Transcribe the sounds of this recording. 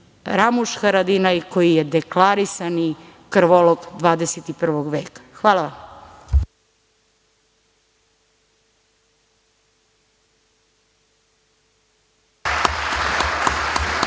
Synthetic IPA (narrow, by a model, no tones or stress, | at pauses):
ɾamuʃxaɾad̪inajko̞jijed̪eklaɾisanikr̩ʋoloɡd̪ʋaːd̪eset̪ipr̩ʋoɡʋeːkḁxʋaːlˠaʋam